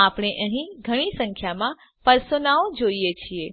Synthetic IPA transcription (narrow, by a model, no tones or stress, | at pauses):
apɽ̃eʔəɦĩɡʱəɽ̃isə̃ŋkʰjamã | pəɾsonaod͡ʒoiet͡ʃʰie